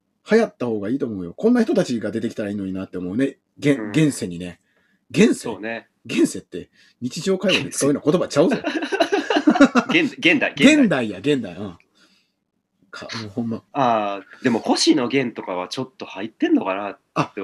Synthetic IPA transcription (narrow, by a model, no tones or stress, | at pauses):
hajat̪ːaho̞ːɡaiːt̪o̞ːmo̞ɯ̟jo̞kõ̞nːaçi̥t̪o̞t̪at͡ɕiɡad̪e̞t̪ekʲi̥t̪aɾaiːno̞ɲ̟inat̪ːe̞omo̞ɯ̟ne̞ | ɡẽ̞ɡẽ̞ɰ̃se̞ɲ̟ine̞ | ɡẽ̞ɰ̃seoːne | ɡẽ̞ɰ̃se̞t̪ːe̞ | ɲ̟it͡ɕiʑo̞ːkaiβodet͡sɨ̥kaɯnoko̞t̪obat͡ɕaɯ̟zo̰ | ɡẽnd̪aiɡẽ̞nd̪aijaɡẽ̞nd̪aiɯ̃ | kʰamoːhõ̞mːaad̪e̞mo̞ho̞ɕino̞ɡẽ̞nt̪o̞kaβat͡ɕo̞t̪ːo̞hait̪ːẽ̞nːo̞kana | ae